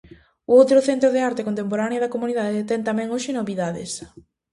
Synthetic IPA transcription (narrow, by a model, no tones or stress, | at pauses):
ʊowt̪ɾʊθent̪ɾʊðɪaɾt̪ekont̪emp̬oɾaneɐðɐkomuniðaðet̪ɛnt̪amɛ̃ŋoʃɪnoβiðaðɪ̰s